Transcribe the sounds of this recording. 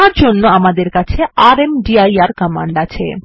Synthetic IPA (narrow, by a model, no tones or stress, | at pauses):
aɾd͡ʑonːoamad̪eɾkat͡ɕʰeaɾemɖiajaɾkəma̰ɳɖat͡ɕʰḛ